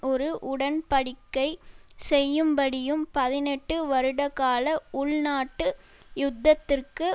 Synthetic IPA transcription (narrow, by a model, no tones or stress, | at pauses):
ɔɾɯʔʊɽɐnpɐɽɪkːɐɪsɛjːɯmbɐɽɪjɯmpɐðɪnɛʈːɯʋɐɾɯɽɐkaːlɐʊɭnaːʈːɯ | jʊd̪ːɐt̪ːɪrkɯ